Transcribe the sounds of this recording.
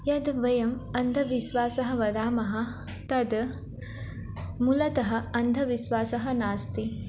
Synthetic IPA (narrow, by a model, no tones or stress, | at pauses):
jɐd̪ʋɐjɐmɐnd̪ʱɐʋiʃʋaːsɐɦɐ̆ʋɐd̪aːmɐɦɐ̆ | t̪ɐd̪ | mulɐt̪ɐɦɐ̆ɐnd̪ʱɐʋiʃʋaːsɐɦɐnaːst̪i